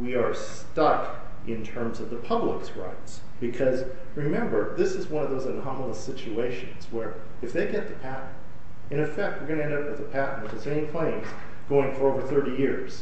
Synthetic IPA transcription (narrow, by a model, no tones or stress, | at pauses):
wiə˞s | tʌk | ʔɪ̃ntʰɜ̃˞mzʌvðəpʰʌblə̰kskɹa̰ɪps | b̥ɨkʰʌz | ɹɨmɛ̃mbə˞ðɪsɨzwʌ̃nʌvðoʊzɨnɑml̩ˠəsɪt͡ʃueɪʃɨ̃nz̥wə˞ | ɨfðeɪɡɛt̪̚ðɨpʰæʔə | ɨ̃ɾ̃ɨfɛk̚t̚wɨɹɡʌ̃nɨɛ̃ndʌp̚wɨðɨpʰæʔn̩ɨtɨzẽɪ̃mkʰl̥ẽɪ̃mz̥ | ɡ̥oʊɪ̃ŋfə˞oʊvə˞θɜ˞ɾijɪɹz̥